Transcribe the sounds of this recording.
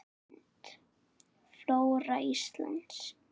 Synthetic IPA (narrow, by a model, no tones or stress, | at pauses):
nt̪ | flowraist̪la̰nt̪s